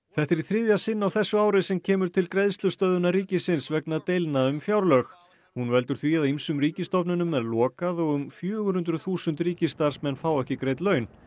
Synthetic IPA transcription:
θɛht̪ɛɾiθɾɪðjasɪnːawθɛsːʏaːwɾɪsɛmcʰɛːmʏɾ̥t̪ʰɪlkɾejðst̪lʏst̪œðʏnaɾiːcɪsɪnsvɛknat̪ejlnaʏmfjawɾlœx | hunvɛlt̪ʏɾ̥θviaðimsʏmɾiːcɪst̪ɔpnʏnʏmːɛðlɔːkaðɔɣʏmfjœːɣʏhʏnt̪ɾʏθuːsʏnt̪ɾiːcɪst̪aɾ̥smɛnfawɛhcɪkɾeːjt̪lœːɥn

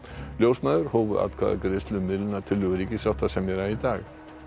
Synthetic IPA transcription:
ljosmɑʉɾhoːʋə̰ʔɑ̰t̪kʰɑ̰ɡɾɪst̪lʉmɪlnɑt̪ʰɪluɾɪkəsɑt̪ʰɑsɛmjəɾɑiːd̪ɑːɡ

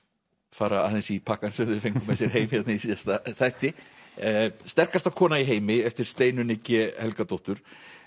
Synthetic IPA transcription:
faːɾaa̰θɛnsipʰakansɛmðʏfejŋkʏmɛsjɛɾ̥ɦeːjmɪɛt̪naisist̪aθajht̪ɪ | st̪ɛr̥kast̪ḁkʰɔːnaiɦeːjmɪɛft̪ɪɾ̥st̪eːjnʏnɪcɪhɛlkat̪owht̪ʏɾ̥

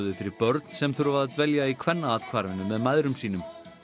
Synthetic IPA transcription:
ðɪfɪɾɪɾpœɾt̪n̥sɛmθuɾvaɾat̪vɛljaikʰvɛnːaaːðkʰvaɾvɪnʏmɛðmajðɾʏmsiːnʏm

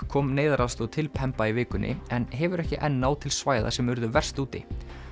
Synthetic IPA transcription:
kʰɔːmneːjðaɾast̪ɔt̪ʰɪlpʰɛmpaivɪːkʏnʔɪ̰ɛnɦɛvʏɾɛhcɪʔɛnːaːwt̪ʰɪlsvaːjða̰sɛmvʏɾðʏvɛr̥st̪uːt̪ɪ̰

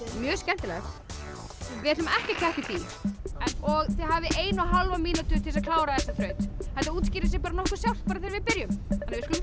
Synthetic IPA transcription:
mjœːscɛnt̪ɪlɛ̰xt̪ | vɪðɛt̪nʏmɛhcɪcʰɛht̪ɪt̪iːɾ̥ɛnɔɣθɪɦaːvɪʔeːjnaɦalvamiːnat̪ʏt̪ʰɪlsakʰlaːwɾaθɛsːaθɾœːɥt̪hɛt̪aɾuːt̪sciːɾɪs̬ɛpaːɾanɔhkʏɾ̥sjawl̥paːɾaθeːɾvɪðpɪɾjʏmhanːɪvɪɾskʏ

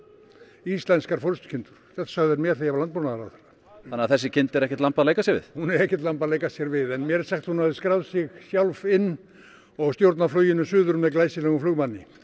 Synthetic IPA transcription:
ist̪lɛnskaɾ̥fɔlʏst̪cʰɪnt̪ʏɾ̥θɛθḁsaɣðɛɾmjɛθejavlant̪ponaðaɾaθana | anːaθɛsːɪcʰɪnt̪ɛɾɛhcɛt̪lampaðleːjkasjɛɾvɪ̰ðhunɛɾɛhcɛt̪lampaðleːjkasjɛɾvɪðɛnmjɛɾsɛxt̪hunhavðɪskɾawðsɪɣsjawlvɪnː | ɔɣst̪jowɾt̪naflœɥjɪnʏsʏːðʏɾmɛðklaːjsɪlɛɣʏmflʏːɣmanːɪ

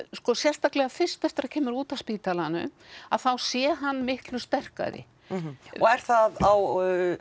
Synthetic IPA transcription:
skɔsjɛst̪aklɛɣafɪr̥st̪ɛft̪ɪɾḁcʰɛːmʏɾuːt̪aspiːt̪alanʏ̰aðθawsjɛɦanːmɪhklʏst̪ɛr̥ka̰ðɪ̰ | ɔɛɾ̥θaðaw

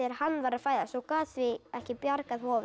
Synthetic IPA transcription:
ɪɾhanːvaɾafaːjðasɔkaːsvɪɛhcɪpjaɾkaðhɔːvʏ

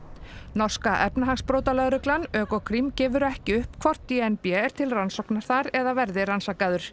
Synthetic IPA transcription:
nɔr̥skaʔɛpnaɦaɣspɾoːwt̪alɛɣɾʏklanœːkɔkʰɾimcɛːvʏɾɛhcɪʏhpkʰvɔr̥t̪iɛnpjɛɛɾ̥t̪ʰɪlransɔwknaɾ̥θaɾɛðavɛɾðɪransakaðʏɾ̥

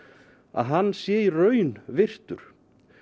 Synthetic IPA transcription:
a̰ðɦanːsjɛːirœːɥnvɪr̥t̪ʏɾ̥

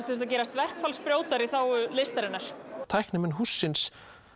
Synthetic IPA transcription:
st̪ʏɾst̪ac̬ɛːɾast̪vɛr̥kfalspɾjoːwt̪aɾiθawʏlest̪aɾɪnːaɾ̥t̪ʰajhknɪmɪnɦusːɪns

